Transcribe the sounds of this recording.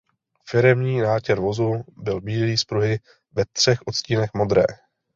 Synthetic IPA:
fɪɾɛmɲiːnaːcɛɾvo̞zubɪlbiːliːspɾuɦɪ | vɛt̪r̝̥ɛxʔot̪sciːnɛxmo̞d̪ɾɛ̰ː

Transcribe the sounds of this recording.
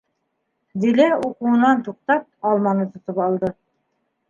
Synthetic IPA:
d̪ilæuquɤ̆nɑnt̪uq̚t̪ɑp̚ɑlˠmɑnɤt̪ŏt̪ɤpɑlˠd̪ɤ

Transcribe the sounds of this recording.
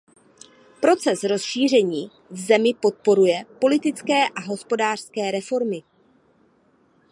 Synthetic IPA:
pɾo̞t͡sɛsɾo̞sʃiːr̝ɛɲiː | vzɛmɪpo̞t̪̚po̞ɾujɛpo̞lɪt̪ɪt͡skɛːʔaɦo̞spo̞daːr̝̥skɛːɾɛfo̞ɾmɪ

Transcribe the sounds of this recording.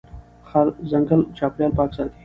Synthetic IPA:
xɐɾzɐ̃ŋɡəlt͡ʃaːpɾjaːlpaːksaːt̪ʰi

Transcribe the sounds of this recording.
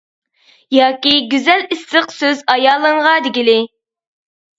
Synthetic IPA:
jɑːkʲiɡʲyzɛlisːəqsøzɑjɑːlˠɨŋʁɑd̪ɪɡʲilɪ

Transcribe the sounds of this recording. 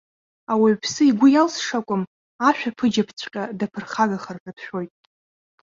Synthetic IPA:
awipʰsɨiɡʷʊjalsʂakʷʼʊm | aʃᶣapʰɨd͡ʒapʰt͡sʷʰʼqʲʼadapʰɨrχaɡaχarpʰapʰʃᶣo̞jtʼ

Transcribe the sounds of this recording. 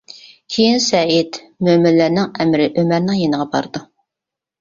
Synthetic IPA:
kʲʰejinsɛit̪ | mømɪllːæɾnɪŋɛmɾɪʔømæɾnɪŋjenɨʁɑbɑ̰ɾd̪̥u

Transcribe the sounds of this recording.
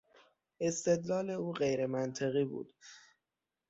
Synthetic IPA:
ʔe̞st̪e̞d̪lɒːle̞uːɢejɾe̞mænt̪ʰeɣiːbṵːd̪̥

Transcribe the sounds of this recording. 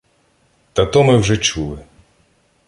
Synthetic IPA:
t̪ɐt̪ɔmɪwʒɛt͡ʃulˠɪ

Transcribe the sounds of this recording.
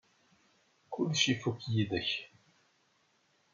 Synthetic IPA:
kʊlʃifukjiðəç

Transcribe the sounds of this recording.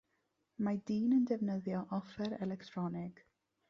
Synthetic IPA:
madiːnəndɛvnəðjɔʔɔfɛɾɛlɛktʰrɔnɪɡ̥

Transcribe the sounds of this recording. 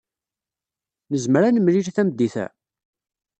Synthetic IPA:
nəzməɾænəmliɾθæmd̪ːiθæ̰

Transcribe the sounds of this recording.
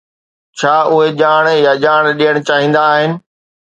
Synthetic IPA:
t͡ɕʰaːʔʊɦeʄaːɽ̃jaʄaːɽ̃ɗijəɽ̃t͡ɕaːɦĩːnd̪aːɦɪnɪ̆

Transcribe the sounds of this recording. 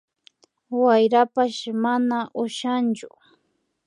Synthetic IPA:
wajɾapaʃmanaʔʊʃant͡ʃʊ

